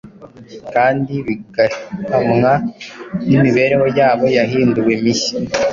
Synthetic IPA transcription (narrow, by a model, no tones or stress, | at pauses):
kaːndiβiɡahamŋanimiβe̞ːɾe̞ho̞jaːβo̞jaɦiːnduwemisi̥